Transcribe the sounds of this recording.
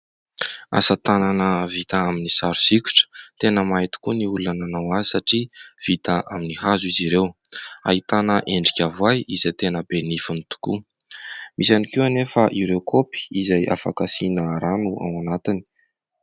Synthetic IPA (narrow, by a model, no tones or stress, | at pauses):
a̰sət̪ananəvit̪aaminisaɾusikʲu̥ʈ͡ʂə̥t̪enəmaɦit̪u̥kuniulananawazisaʈ͡ʂiv̥it̪əʔaminihazuiziɾew | a̰hit̪anəʔeɳɖ͡ʐikʲavajizat̪enəbenifunit̪u̥ku | mizanikewanefaʔiɾewkʰopi̥izajʔa̰fa̰kasinəɾanua̰wanat̪ini̥